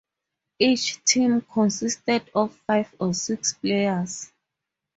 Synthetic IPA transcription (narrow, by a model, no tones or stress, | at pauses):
it͡ʃtʰĩmkʰɔ̃nsistɛdɔvfajvɔsiksplejas